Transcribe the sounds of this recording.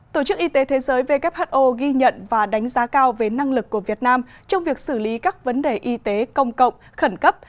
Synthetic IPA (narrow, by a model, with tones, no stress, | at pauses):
t̪o˧˩t͡ɕɨ˦˥k̚ʔi˧t̪e˨˦t̪ʰe˨˦zəː˨˦jve˧kɛ˦˥p̚ha˦˥t̚ʔo˧ɣi˧ɲə̰˧˨nvaː˨˩ɗa˨˦jŋ̟zaː˨˦kaː˧wve˨˩na˧ŋlɨ˨˩kːu˧˩əvi˨˩ət̚naː˧m | t͡ɕɔ˧wŋ͡mvi˨˩ək̚sɨ˧˩li˨˦kaː˦˥k̚və˨˦nɗe˨˩ʔi˧t̪e˨˦kə˧wŋ͡mkə̰˧˨wŋ͡mxə˧˩nkə˦˥p̚